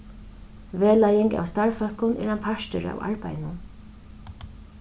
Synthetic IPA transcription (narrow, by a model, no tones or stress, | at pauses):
ʋeːlajɪŋka̰wst̪aɹfœkʊnɛ̰ːɾanpʰaʃt̪ʏɾa̰wa̰ɹpajnʊn